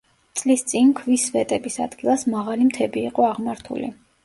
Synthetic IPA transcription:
t̪sʼlist̪sʼinkʰvisvɛt̪ʼɛbisa̰d̪ɡilˠasmaʁalimt̪ʰɛbiːqʼɔaʁmaɾt̪ʰṵlḭ

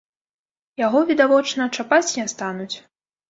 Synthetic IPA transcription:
jaɣɔvʲid̪avɔt͡ʂnɐt͡ʂapat͡sʲiast̪anut͡sʲ

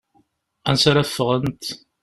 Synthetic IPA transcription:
ænsaɾæfːəʁənt̪

